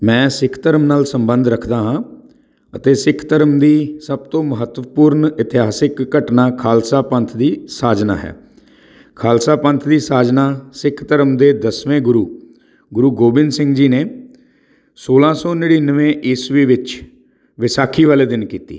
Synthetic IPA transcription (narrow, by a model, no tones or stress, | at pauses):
mɛ̃ːsɪkʰt̪əɾəmnaːlsəmbə̃nd̪ɾəkʰd̪aːɦãː | ət̪eːsɪkʰt̪əɾəmd̪iːsəb̚t̪õːməɦət̪ʋəpʊːɾnɪt̪ɪɦaːsɪkːəʈnaːkʰaːlsaːpənt̪ʰd̪iːsaːd͡ʒna̰ːɦɛ̰ː | kʰaːlsaːpə̃nt̪ʰd̪iːsaːd͡ʒnaːsɪkʰt̪əɾəmd̪eːd̪əsʋẽːɡʊɾuː | ɡʊɾuːɡoːbɪnsɪ̃ŋɡd͡ʒiːneː | soːlãːsɔːnɪɽiːnəʋẽːʔɪsʋiːʋɪt͡ʃ | ʋɪsaːkʰiːʋaːleːd̪ɪnkiːt̪ḭː